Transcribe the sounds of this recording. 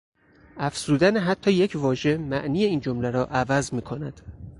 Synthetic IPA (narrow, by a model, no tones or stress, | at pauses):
æfz̥uːd̪æneɦæt̪ʰːɒːje̞cʰvɒːʒe̞mæʔniːje̞iːnd͡ʒomlæɾɒːʔævæzmiːkʰo̞næd̪̥